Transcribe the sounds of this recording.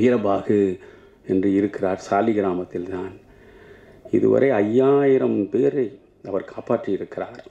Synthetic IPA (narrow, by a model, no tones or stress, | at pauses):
ɪɾɐbaːɣɯ | ɛndrɯɪɾɯkːɪraːɾsaːlɪɣɪɾaːmɐt̪ːɪlt̪aːn | ɪ̰ðɯ̰ʋɐ̰ɾʔɐɪɐjːaːjɪɾɐmpeːɾɐɪ | ɐʋɐɾkʰaːpaːʈrɯjɪɾɯkːɪraːɾ